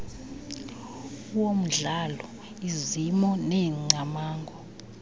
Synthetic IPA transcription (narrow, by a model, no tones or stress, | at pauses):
uwom̩ɮalɔ | izimɔnɛŋ͡ǀamaːŋɡʱɔ